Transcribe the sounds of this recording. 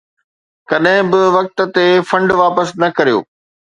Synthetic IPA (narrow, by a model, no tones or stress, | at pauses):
kɐɗɦɪ̃bɪʋɐk̚t̪̆t̪efɐ̃ɳɖʋaːpəsnɐkɐɾijo̰ː